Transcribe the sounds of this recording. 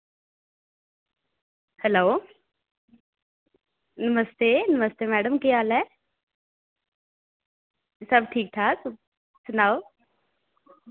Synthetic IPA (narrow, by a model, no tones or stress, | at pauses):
hɛloː | nɐməst̪enɐməst̪emɛːɖəmkijaːlɛ | səbʈʰiːk̚t̪ʰaːs | sʊnaːo